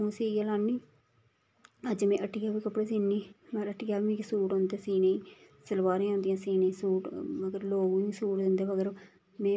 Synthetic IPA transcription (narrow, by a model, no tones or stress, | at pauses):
ũːsiːjaːlaːnːiː | əd͡ʒmɛ̃ːʔəʈɪjaːʋĩːkəpːɽeːsiːniːmɛɾəʈɪːaːiʋĩːksuːʈõːnd̪eːsiːneiː | səlʋaːɾẽːõːnd̪ɪjãːsiːnẽiːsuːʈəɡəɾloːɡːĩːsuːʈd̪ɪnd̪eːʋəɡəɾ | mẽː